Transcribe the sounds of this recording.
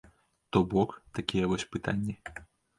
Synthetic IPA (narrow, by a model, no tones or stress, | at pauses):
t̪ɔbɔkt̪akʲijɛvɔsʲpɨt̪anʲːi